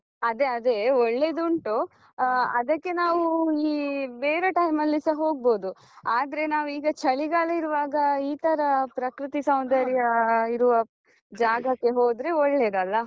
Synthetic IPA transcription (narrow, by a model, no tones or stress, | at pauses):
ɐd̪e̞ɐd̪eoɭːe̞d̪uɳʈu | ɐd̪ɐkːe̞naːʋuiːbeːɾeʈɐjmɐlːisɐɦo̞ːɡ̚bo̞ːd̪u | aːd̪ɐɾe̞naːʋuiːɡɐt͡ʃɐɭiɡaɭɐiɾuʋaːɡɐiːt̪ʰɐɾɐpɾɐkɾut̪isɐwnd̪ɐɾjɐiɾuʋɐ | d͡ʒaːɡɐkːe̞ɦoːd̪ɾe̞ɔɭːe̞d̪ɐlːɐ